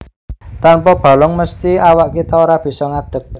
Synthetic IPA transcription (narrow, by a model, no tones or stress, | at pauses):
t̪anpɔb̥a̤lʊŋməst̪iawaʔkit̪ɔoɾab̥i̤sɔŋad̪̥ə̤k̚